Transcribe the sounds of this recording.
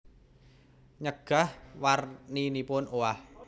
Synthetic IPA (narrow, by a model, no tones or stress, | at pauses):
ɲəɡ̥a̤hwarninipʊnʔowah